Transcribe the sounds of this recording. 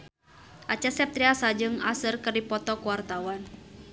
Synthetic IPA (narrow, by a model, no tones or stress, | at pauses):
ʔat͡ʃasɛp̚t̪ɾiasad͡ʒɨŋasɨrkɨrdipɔt̪ɔkuwart̪awan